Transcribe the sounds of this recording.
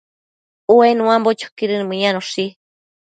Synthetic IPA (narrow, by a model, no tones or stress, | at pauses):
uenũãmbot͡ʃo̥kiɾɨnɨmɨ̃ɲãnoʂi